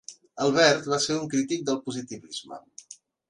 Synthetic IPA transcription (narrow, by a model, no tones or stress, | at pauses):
əlˠβɛɾt̪βaseɾuŋkɾit̪ik̚d̪əlˠpuzit̪iβizmə̰